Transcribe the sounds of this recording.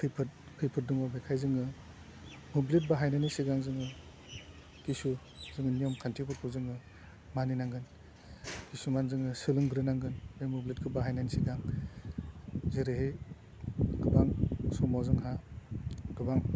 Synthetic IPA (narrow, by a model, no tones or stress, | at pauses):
pʰɯjpʰɯt̚ | pʰɯjpʰɯt̚dɯŋɔbekʰajzɯŋɯ | mublit̚baɦajnanisiɡaŋzɯŋɯ | kisu | zɯŋɯnijɔmkʰantʰipʰɯkʰuzɯŋɯ | maninaŋɡɯn | kisumanzɯŋɯsɯlɯŋɡɾɯnaŋɡɯnbemublitkʰɯbaɦajnanisiɡaŋ | zeɾɯɦej | ɡ̥ɯbaŋsɔmɔzɯŋɦa | ɡ̥ɯbaŋ